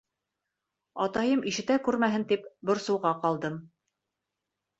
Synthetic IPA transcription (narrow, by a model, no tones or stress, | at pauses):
ɑt̪ɑjɤmʔiʃɘ̆t̪ækʉɾmæɦɘnt̪ipbŏɾsɤ̆wʁɑqɑlˠd̪ɤm